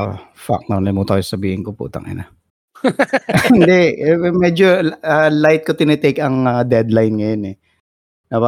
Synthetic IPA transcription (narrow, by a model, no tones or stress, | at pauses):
fa̰k̚nɐnɐmot̪aːjosɐbiːhɪnkopṵːt̪ɐ̰ŋʔɪ̰na | ɪnd̪ɛɛmɛd͡ʒoalajt̪̚kot̪ɪnɛt̪ɛjkɐŋɐd̪ɛd̪lajnŋɐjonɛ | nɐba